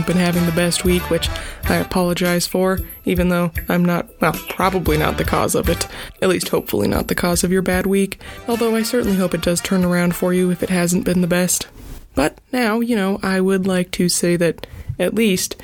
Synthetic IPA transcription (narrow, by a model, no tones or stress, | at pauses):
b̥ɨ̃nɦævɪ̃ŋðɨbɛst̚wikʰwɨt͡ʃaɪɨpʰɑlˠəd͡ʒaɪz̥fə˞ivɨ̃nðoʊãɪ̃mnət̚wəlˠpʰɹ̥ɑbəblinə̰t̪̚ðɨkʰɔ̰zʌ̰vɨɾɨtˡlist̚hoʊpfl̩ˠḭnə̰t̪̚ðɨkʰɔzʌvjə˞bæd̚wikɔlˠðoʊaɪsɜ˞ʔn̩liɦoʊpɨt̚d̥ʌz̥tʰɜ̃˞nə˞ãʊ̃nd̥fə˞jɨɨfɨt̚ɦæzn̩b̥ɨ̃nðɨbɛst̚b̥ʌt̚ⁿnaʊjɨñoʊʔaɪwədˡlaɪk̚tʰɨseɪðɨɾɨtˡlist